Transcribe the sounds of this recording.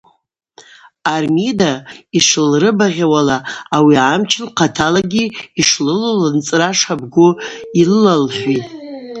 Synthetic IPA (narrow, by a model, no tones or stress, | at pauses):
armidaiʂɨlrɨbaʁʲawalaːwiamt͡ʃʰɪnqʰatʰalaɡʲiiʂlɨlolant͡sʼraʂabɡʷʊilɨlalħʷᶣitʼ